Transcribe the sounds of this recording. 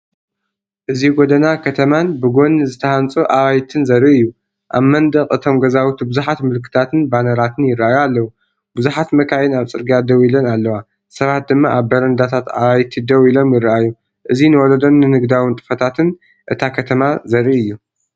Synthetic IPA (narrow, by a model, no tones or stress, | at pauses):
ʔɨziɡod̪ɐnakʰɐt̪ʰɐmanbɨɡo̞nːzɨt̪ʰɐhant͡sʼuʔawajt̪ʰɨnzɐɾiɨjːu | ʔa̰βmɐnd̪ɐkʼɨt̪ʰo̞mɡɐzawut̪bɨzuħat̪mɨlkʰɨ̥t̪ʰat̪ʰɨnbanɐɾat̪ʰɨnjɪrʔajalːɐwu | bɨzuħat̪mɐkʰajɪnaβt͡sʼɨɾɡad̪ɐwilɐnalːɐwa | sɐβat̪̚d̪ɨmːaʔaβbɐɾɐnd̪at̪ʰat̪a̰βajt̪ʰid̪ɐwilo̞mjɪrːɨʔajːu | ʔɨzinɨwɔlɐd̪o̞nːɨnɨɡd̪awɪnt̪ʼɨ̥fɐt̪ʰat̪ʰɨn | ʔɨt̪ʰakʰɐt̪ʰɐmazɐɾiɨjːu